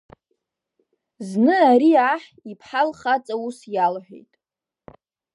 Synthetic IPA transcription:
znɨaɾiaħ | ipʰħalχat͡sʼausjalħʷᶣḛjtʼ

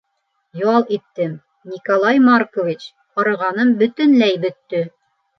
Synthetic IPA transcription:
jɑlˠit̪ːɘm | nʲikolˠɑjmarkovʲit͡ɕ | qɑɾɤ̆ʁɑnɤmbɵ̆t̪ɘ̆nlæjbɵ̆t̪ːɵ

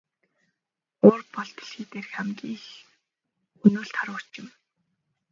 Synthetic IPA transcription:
oːrpɔɮt̪ɞ̆ɮxiːt̪eːrxæmɡʲiːx | ɵnuːɮt̪χaɾʊ̥ːt͡ɕɪ̆m

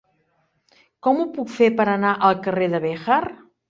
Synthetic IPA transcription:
kɔmupukfepəɾənaʔəlˠkəreðəβɛxar

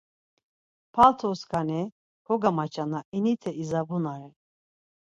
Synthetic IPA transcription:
pʰalt̪ʰɔskʰanɛ | hɔɡamat͡ʃʰʼanainit̪ʰɛizabunaɾɛ

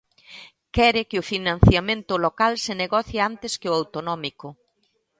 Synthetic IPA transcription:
kɛɾɪkɪʊfinãn̟θjamẽnt̪ʊlokalseneɣɔθjɪant̪ɪskɪoawt̪onɔmikʊ

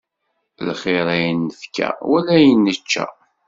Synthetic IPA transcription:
lχeɾˤæjənːəfkːæ̰wælæjənːət͡ʃːæ̰

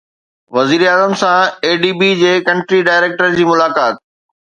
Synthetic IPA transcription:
ʋɐziːɾaːzəmsãeːɖiːbid͡ʑeːkɐ̃ɳʈɾiɖaːɪɾeːk̚ʈəɾd͡ʑiːmʊlaːkaːt̪̚

